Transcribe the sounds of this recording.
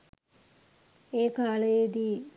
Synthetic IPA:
eːkaːlejed̪i

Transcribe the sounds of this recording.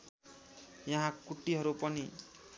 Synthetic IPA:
jʌɦãkuʈːiɦʌɾupʌni

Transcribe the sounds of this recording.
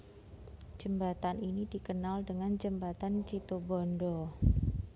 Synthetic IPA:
d͡ʒ̥əmbat̪aninidikənaldəŋand͡ʒəmbat̪ant͡ʃit̪obɔndɔ

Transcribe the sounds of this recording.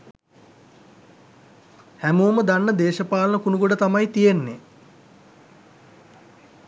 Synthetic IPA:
hæmuːməd̪anːəd̪eːʃəpaːlənəkunuɡoɖət̪amajt̪ijenːe

